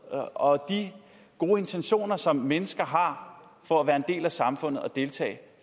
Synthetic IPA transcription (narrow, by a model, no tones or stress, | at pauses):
ɒ̽d̥i | ɡ̥o̝ːe̝nt͡sʰenɕo̝̰ːnɐsɒ̽mːenəsɡ̥ɐɦɑ̈fɒ̽æʋæːɐe̝nd̥e̝̰ːlæsɑ̈mfɔ̽n̰ð̩ˠɒd̥e̝lt͡sʰɛ̰ːɪ